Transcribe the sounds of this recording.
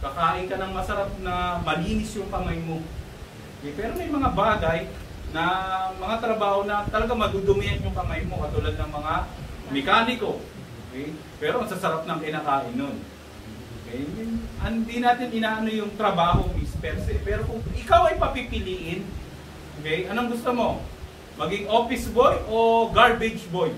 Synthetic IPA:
kɐkaːʔɪnkɐnɐŋmɐsɐɾap̚nɐmɐliːnɪsjʊŋkɐmajmo̞ | ʔokɛjpɛːɾo̞mɐjmɐŋabaːɡɐj | nɐmɐŋat̪ɾɐbaːho̞nɐt̪ɐlɐɡaŋmɐd̪ud̪ʊmɪjanjʊŋkɐmajmo̞kɐt̪ʊlad̪̚nɐŋmɐŋamɛkaːnɪko̞ | ʔʔokɛj | pɛːɾoɐŋsɐsɐɾap̚nɐŋkɪnaːkaːʔɪnːon | ʔokɛjnhɪnd̪inaːt̪ɪnʔɪnaːʔɐnojʊŋt̪ɾɐbaːho̞mɪspɛɾsɛpɛːɾo̞kʊŋʔɪkawɐjpɐpipɪliːʔɪn | ʔokɛjɐnoɐŋɡʊst̪omo̞ | mɐɡɪŋʔo̞ːpɪsbojʔo̞ɡaɹbɪd͡ʒboj

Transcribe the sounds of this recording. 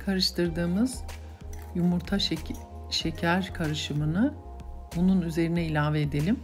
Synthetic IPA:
kʰaɾɯʃt̪ʰɯɾd̪ɯːmɯz̥ | jumuɾt̪ʰa | ʃecʰæɾkʰaɾɯʃɯmɯnɯ | bununyze̞ɾinɛilʲaːveeːd̪e̞lʲim

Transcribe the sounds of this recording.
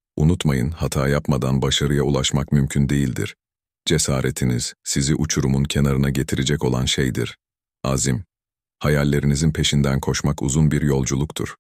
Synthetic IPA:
unut̪majɯnhat̪ʰaːjapmad̪anbaʃaɾɯjaulˠaʃmakmymcʰynd̪e̞jilʲd̪ḭɾ̥ | d͡ʒe̞saːɾet̪ʰiniz̥siziʔut͡ʃʰuɾumuncʰe̞naɾɯnaɟe̞t̪ʰiɾed͡ʒɛko̞lˠanʃejd̪ḭɾ̥ | aːzim | hajalʲːe̞ɾinizinpʰe̞ʃind̪ænkʰo̞ʃmakṵzunbiɾjo̞lˠd͡ʒulˠukt̪ʰṵɾ̥

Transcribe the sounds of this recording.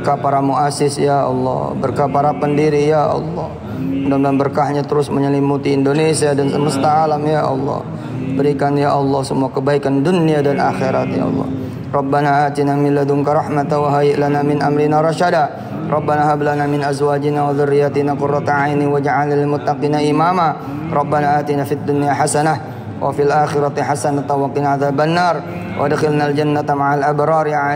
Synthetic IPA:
bərkahpaɾamuasɪsjaʔɑ̰lːɔ̰bərkahpaɾapəndiɾijaʔɑ̰lːɔ̰h | damlambərkahɲat̪əɾʊsməɲəlimut̪iːndonesiadansəməst̪aːlamjaʔɑ̰lːɔ̰h | bəɾikanjaʔɑlːɑhsəmuakəbaikanduniadanʔaxeɾat̪̚ja̰ɑ̰lːɔ̰h | rˤɑbːanaaːt̪inamɪlːad̪ʊmkaɾɑhmat̪awaɦajɪʔlanamɪnʔamɾinaɾˤɑʃada | rʔˤɑbːanaɦablanamɪnʔazwaːd͡ʒinawaðʊrːijat̪inaqʊrːat̪ʕajniwad͡ʒaʕalnilɪmʊt̪ːaqinaʔimama | rˤɑbːanaʔaːt̪inafid̪ːunjaħasanah | wʔa̰filʔaːxɪɾat̪iħasanat̪awaqɪnʕaðabanːaːrˤ | wʔa̰dxɪlnald͡ʒanːat̪amaʕalʔabɾɑːɾʕa

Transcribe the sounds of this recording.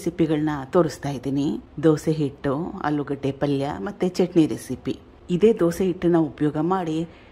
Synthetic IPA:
sipiɡɐɭɐnɐt̪oːɾust̪aːjid̪iːnid̪oːseɦiʈːuɐ̰luɡɐʈːepɐljɐ̰mɐt̪ːet͡ʃeʈneɾesipi | id̪e̞ːd̪oːseɦiʈːunːɐupɐjɔːɡɐmaːɽi

